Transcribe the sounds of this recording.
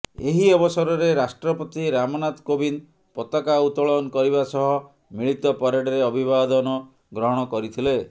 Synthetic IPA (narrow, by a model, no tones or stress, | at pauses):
eɦiɔbɔsɔɾɔɾeɾasʈɾɔpɔt̪iɾamɔnat̪kobin | pɔt̪ɔkaut̪ɔɭɔnkɔɾibasɔɦɔ | miɭit̪ɔpɔɾeɖɔɾeɔbʱibad̪ɔnɔ | ɡɾɔɦɔɽ̃ɔkɔɾit̪ʰile